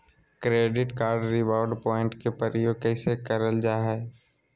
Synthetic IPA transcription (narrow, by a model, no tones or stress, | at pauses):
kɾeːɖɪʈkaːɾɖɾɪbaːɖpɔːɪ̃ɳʈkepəɾəjoːɡ̚kɛɪsekəɾəld͡ʒaːɦɛː